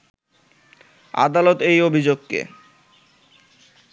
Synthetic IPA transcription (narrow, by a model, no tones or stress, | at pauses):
a̰d̪alot̪ejobʱid͡ʑoɡ̚kḛ